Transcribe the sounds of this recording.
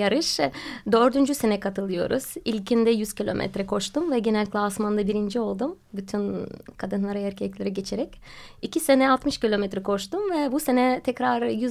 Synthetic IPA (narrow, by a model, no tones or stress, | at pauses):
jaɾɯʃd̪øɾd̪ynd͡ʒyse̞nɛkʰat̪ʰɯlˠɯjo̞̰ɾṵz̥ilʲcʰind̪ɛjyz̥cilʲo̞mʔɛ̰t̪ɾɛkʰo̞ʃt̪umvɛɟe̞nɛlʲclʲˠasmand̪abiɾind͡ʒio̞lˠd̪um | byt̪ʰynkʰad̪ɯnlˠaɾaæɾcʰɛclʲeɾɛɟe̞t͡ʃʰe̞ɾɛcicʰise̞nɛalˠt̪mɯʃcilʲo̞mɛt̪ɾɛkʰo̞ʃt̪umvɛbuse̞nɛt̪ʰɛcɾaɾjyz